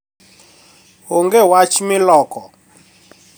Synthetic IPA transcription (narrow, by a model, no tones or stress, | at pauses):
hoŋɡɛwat͡ʃmɪlɔkɔ